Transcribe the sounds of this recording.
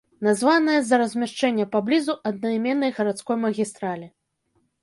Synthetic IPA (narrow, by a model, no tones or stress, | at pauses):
nazvanɐjɐzɐɾɐzʲmʲaʂt͡ʂɛnʲːɐpablʲizuʔɐd̪̚nɐmʲɛnːɐjɣɐɾat̪skɔjmɐɣʲist̪ɾalʲi